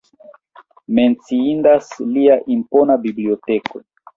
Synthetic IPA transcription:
ment͡siindasliaʔimponabiblioteko

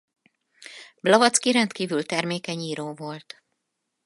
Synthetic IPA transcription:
blɒvɒt̪skiɾɛnt̪kiːvylt̪ɛrmeːkɛɲiːɾoːvo̞lt̪

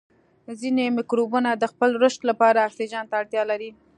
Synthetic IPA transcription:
zinemɪkɾobunad̪əxpəlɾəʃt̪lapɑɾaːksid͡ʒɑnt̪aːɽt̪jɑlaɾi

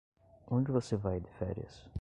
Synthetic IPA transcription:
õnd͡ʒɪvosevajd̪ifɛ̰ɾɪḭsʊ̥

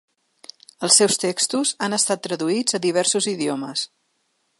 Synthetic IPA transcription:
əlˠsːewst̪ekst̪uzanəst̪at̪ːɾəðuid͡zəðiβ̞ɛrsuziðioməs

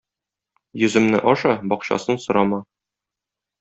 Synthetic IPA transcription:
jɵ̆zɘ̆mnɘ̰ʔɒʃɑbɒqɕɑ̰sɤnsŏɾɑmɑ

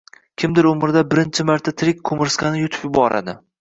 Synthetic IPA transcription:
kʲʰɪmd̪ɪɾʊmɪɾd̪abɪɾɪnt͡ʃʰɪmaɾt̪ʰat̪ʰɪɾɪkʲkʰomɪɾskʰʲanɪjʊt̪ʰɪ̥pjʊbɒɾa̰d̪ɪ

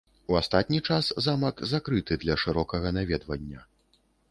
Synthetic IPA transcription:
uast̪at̪̚ʲnʲit͡ʂaszamɐkzakɾɨt̪ɨd̪lʲɐʂɨɾɔkɐɣɐnavʲɛd̪vɐnʲːɐ

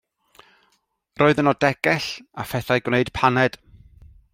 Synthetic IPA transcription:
roːɨðənɔdɛɡɛɬafɛθajɡwneɨd̥pʰanɛd̥

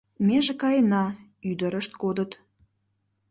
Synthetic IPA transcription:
meʒekɑjənɑ | yd̪əɾəʃt̪kod̪ət̪

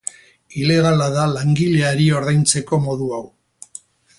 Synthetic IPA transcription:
ile̞ɣalaðalaŋɡiʎe̞aɾio̞ɾðajnt͡se̞ko̞mo̞ðuaw

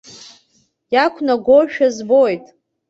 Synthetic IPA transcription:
jakʷʰnaɡʷoʃᶣazbojtʼ

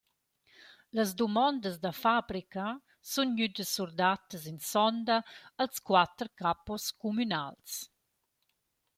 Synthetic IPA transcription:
ləzd̪umɔnd̪əzd̪əfabɾikə | sunɲyd̪əsuɾd̪at̪əzinsɔnd̪əəlskwat̪ɾkapɔskumyna̰ls

